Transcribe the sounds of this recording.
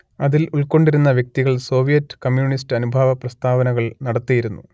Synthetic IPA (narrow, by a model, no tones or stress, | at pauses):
ɐðiluɭko̞ɳɖiɾunːɐʋjek̚t̪iɣɐɭso̞ːʋijɐtːɨ̥kɐmjuːɳis̬tɨɐnubʱaːʋɐprɐst̪ʰaːʋɐnɐɣɐɭnɐɽɐt̪ːijiɾunːu